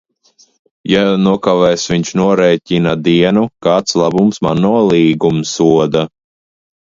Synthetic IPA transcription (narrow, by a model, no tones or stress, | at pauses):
januɔkavɛːsviɲt͡ʃnuɔɾɛːcʲinad̪iɛnukaːt̪slˠabumsmanːulˠiːɡumsuɔd̪a